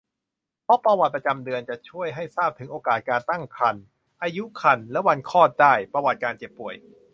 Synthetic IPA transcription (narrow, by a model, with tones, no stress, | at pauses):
pʰɔ˦˥pɾa˧wa˨˩t̪̚pɾa˧t͡ɕa˧mdɯ˧ənt͡ɕa˨˩t͡ɕʰu˥˩əjɦa˥˩jsaː˥˩p̚t̪ʰɯ˩˦ŋʔoː˧kaː˨˩t̪̚kaː˧nt̪a˥˩ŋkʰa˧n | ʔaː˧ju˦˥kʰa˧nlɛ˦˥wa˧nkʰɔː˥˩t̪̚daː˥˩jpɾa˧wa˨˩t̪̚kaː˧nt͡ɕe˨˩pːu˨˩əj